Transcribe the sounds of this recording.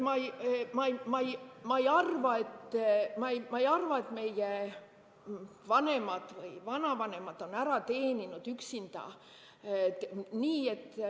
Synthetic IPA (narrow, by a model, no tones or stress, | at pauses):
mɑjmɑjmɑjmɑejɑrvɑe̞t̪ːmɑjmɑejɑrvɑe̞t̪me̞je | vɑne̞mɑd̪̥vɯjvɑnɑvɑne̞mɑt̪ːo̞næɾɑt̪e̞ːninud̪̥yksind̪̥ɑ̰ | niːe̞t̪ː